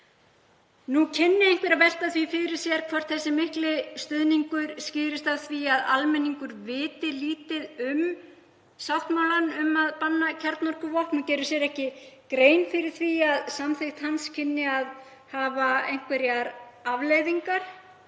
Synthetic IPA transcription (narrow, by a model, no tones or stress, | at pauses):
nucʰɪnːɪejŋkvɛɾaðvɛl̥t̪aθvifɪɾɪ̥sjɛɾ̥kʰvɔr̥t̪θɛsːɪmɪhklɪst̪ʏðniŋkʏɾ̥scɪːðɾɪst̪aðθviaðalmɛnːiŋkʏɾvɪːt̪ɪliːt̪ɪðʏm | sawht̪mawlanʏmaðpanːacʰɛɾt̪nɔɾ̥kʏvɔhpnucɛːɾʏ̥sjɛɾɛhcɪkɾeːjnfɪɾɪɾ̥θviaðsamθejxt̪hanscʰɪnːɪað | haːvaejŋ̥kvɛɾjaɾavleɣðiŋkaɾ̥